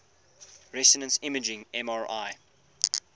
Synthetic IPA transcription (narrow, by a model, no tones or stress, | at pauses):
ɹɛsənə̃nsɪməd͡ʒɪ̃ŋɛ̃mɑːɹaɪ